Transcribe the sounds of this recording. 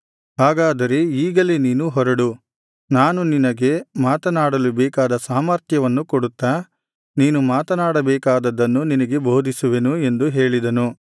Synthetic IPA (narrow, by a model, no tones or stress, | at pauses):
ɦaːɡaːd̪ɐɾe̞iːɡɐleniːnuɦɔɾɐɽu | naːnuninɐɡe̞maːt̪ɐnaːɽɐlibɛːkaːd̪ɐsaːmɐɾt̪ʰjɐʋɐnːukoɽut̪ːa | niːnumaːt̪ɐnaːɽɐbɛːkaːd̪ɐd̪ːɐnːuninɐɡe̞boːd̪ʱisuʋe̞nue̞nd̪uɦe̞ːɭid̪ɐnu